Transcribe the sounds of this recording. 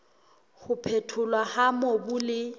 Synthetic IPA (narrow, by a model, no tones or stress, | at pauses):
hʊpʰetʰʊlwahamɔbʊlɪ